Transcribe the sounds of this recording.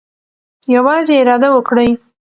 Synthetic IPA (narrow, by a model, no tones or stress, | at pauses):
jawɑzeɪɾɑd̪awəkɽəj